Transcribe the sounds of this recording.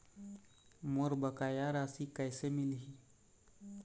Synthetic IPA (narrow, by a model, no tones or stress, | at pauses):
moɾbəkajaɾasikajsemilɦi